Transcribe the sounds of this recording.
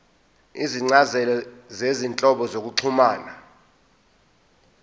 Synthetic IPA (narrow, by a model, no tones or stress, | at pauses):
iziŋ͡ǀazɛlɔzezint͡ɬʼɔɓɔzok̬uǀʰumaːna